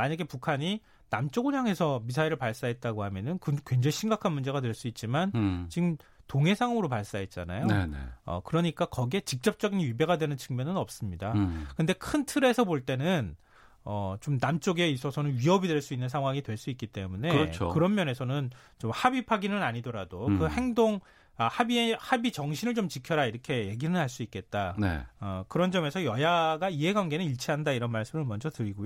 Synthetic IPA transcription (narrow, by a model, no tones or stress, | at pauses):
maɲaɡe̞pukʰaɲi | namt͡ɕ͈oɡoɲaŋe̞sʰʌmisʰaiɾɯɭpaɭs͈aɦe̞t̚t͈aɡoɦamjʌnɯnkɯkwe̞nd͡ʑeɕʰimɡakʰanmund͡ʑe̞ɣatweɭs͈uit̚t͡ɕ͈imant͡ɕiɡɯmtoŋɦe̞sʰaŋɯɾopaɭs͈aɦet̚t͡ɕ͈a̰na̰joeḛʌ̰kɯɾʌɲik͈akʌɡe̞t͡ɕik̚t͡ɕ͈ʌp̚t͡ɕ͈ʌɡinɥibe̞ɡadwenɯnt͡ɕʰɯŋmjʌnɯnʌp̚s͈ɯmɲidakɯnde̞kʰɯntʰɯɾe̞sʰʌpoɭt͈e̞nɯn | ʌt͡ɕomnamt͡ɕ͈oɡe̞is͈ʌsʰʌnɯnɥiɦʌbidwe̞ɭs͈uinːɯnsʰaŋɦwaŋidwe̞ɭs͈uik͈it͈e̞munet͡ɕʰo̰kɯɾʌnmjʌne̞sʰʌnɯn | t͡ɕomhabipʰaɡinɯnaɲidʌɾadokɯhe̞ŋdoŋ | ahabiehabit͡ɕʌŋɕʰinɯɭt͡ɕomt͡ɕikʰjʌɾaiɾʌkʰe̞je̞ɡinɯnɦaɭs͈uik͈e̞t̚t͈anḛʌkɯɾʌnd͡ʑʌme̞sʰʌjʌjaɡaiɦe̞ɡwanɡe̞nɯniɭt͡ɕʰiɦandaiɾʌnmaɭs͈ɯmɯɭmʌnd͡ʑʌtɯɾiɡojo